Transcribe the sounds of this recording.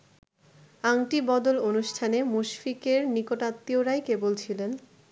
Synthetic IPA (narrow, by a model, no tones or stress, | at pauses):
aŋʈibɔd̪olonuʃʈʰanemuʃfikeɾnikoʈat̪ːioɾajkebolt͡ɕʰilen